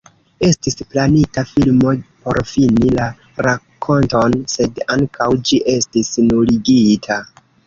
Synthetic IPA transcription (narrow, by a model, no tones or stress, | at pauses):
e̞stisplanitafilmo̞po̞̰ɾfinila | ɾakʰːo̞nto̞nse̞daŋkʰawd͡ʒiʔe̞stisnuliɡitʰa